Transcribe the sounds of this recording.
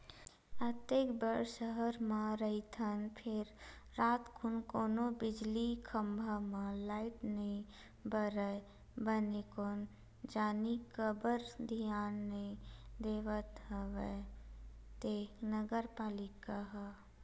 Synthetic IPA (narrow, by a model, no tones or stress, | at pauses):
ət̪eːkbəɾʃəɦəɾmãɾəit̪ʰənpʰɪɾːaːt̪kʰunkoːnobɪd͡ʒlikʰəmbʱamãlaːɪʈnəɦĩ | bəɾə | bənekoːn | d͡ʒaːnikəbəɾd̪ʱijaːnːəĩd̪eːʋət̪əʋɛ | t̪eːknəɡəɾpaːlɪkaɦə